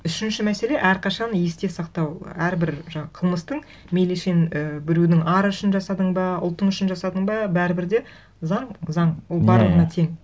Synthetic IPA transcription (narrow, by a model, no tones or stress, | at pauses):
ʏʃɪnʃɪmæse̞le̞ʔæɾqʰɑʃɑnje̞st̪e̞sɑqt̪ɑwæɾbɪɾʒɑɴqʰəlˠməst̪əɴ | meleʃe̞nəbɪɾud̪ɪŋɑɾʏʃɪnʒɑsɑd̪əɴbɑʊ̰lˠt̪əɴʏʃɪnʒɑsɑd̪əɴbɑbæɾɪbɪɾd̪e̞ | zɑɴzɑɴwo̞lˠbɑɾlˠəʁənɑt̪ʰeŋ